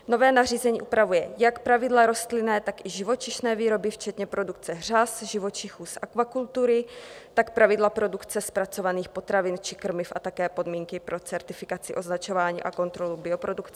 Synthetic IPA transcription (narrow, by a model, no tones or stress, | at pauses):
no̞vɛːnariːzɛɲiːʔupɾavujɛjakpɾavɪdlaɾo̞st̪lɪnɛːt̪akʔɪʒɪvo̞t͡ʃɪʃnɛːviːɾo̞bɪft͡ʃɛt̪ɲɛpɾo̞dukt͡sɛɦr̝asʒɪvo̞t͡ʃɪxuːsʔakvakult̪uɾɪt̪akpɾavɪdlapɾo̞dukt͡sɛspɾat͡so̞vaniːxpo̞t̪ɾavɪnt͡ʃɪ̥kr̩mɪfʔat̪akɛːpo̞dmiːŋkɪpɾo̞t͡sɛɾt̪ɪfɪkat͡sɪʔo̞znat͡ʃo̞vaːɲḭːʔako̞nt̪ɾo̞lubɪo̞pɾo̞dukt͡sɛ